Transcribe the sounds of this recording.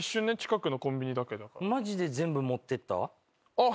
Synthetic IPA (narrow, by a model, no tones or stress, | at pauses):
iɕːɨ̃ːnːeɲt͡ɕi̥kakɯ̟no̞kõ̞mbʲiɲ̟id̪ake̞d̪aka̰ɾmaʑid̪e̞zẽ̞mbɯ̟mo̞t̪ːe̞t̪ːa̰ | a